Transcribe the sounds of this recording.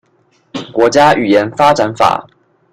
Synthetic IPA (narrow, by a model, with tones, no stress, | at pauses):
kwɔ˧˥t͡ɕja˥ʔy˨˩jɛ˧˦nfa˥ʈ͡ʂa˧˥nfa̰˨˩˦